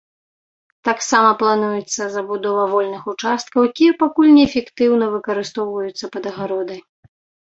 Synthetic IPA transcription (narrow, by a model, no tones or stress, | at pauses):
t̪aksamɐplˠanujɛt̪sːɐzɐbud̪ɔvɐvɔlʲnɨxut͡ʂast̪̚kɐwjkʲijɛpakulʲnʲɛːfʲɛkt̪ɨwnɐvɨkɐɾɨst̪ɔwvɐjut̪sːɐpɐd̪ɐɣaɾɔd̪ɐj